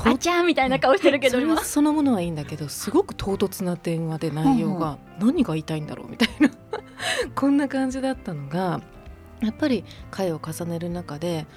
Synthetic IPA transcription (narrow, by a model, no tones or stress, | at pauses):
hot͡ɕamʲit̪ainakaoɕi̥t̪eɾɯ̟ked̪oso̞no̞mo̞no̞βaĩːnd̪ake̞d̪o̞sɨɡo̞kɯ̟̥t̪ʰo̞ːt̪o̞t͡sɨnad̪ẽ̞ɰ̃βad̪e̞naijo̞ːɡa | nãɲ̟iɡait̪aĩnd̪a̰ɾʔo̰ːmʲi̥t̪aina | kʰõ̞nːakãɲ̟d͡ʑid̪at̪ːano̞ɡa | japːaɾʲikʰae̞o̞kasane̞ɾɯ̟nakad̪e̞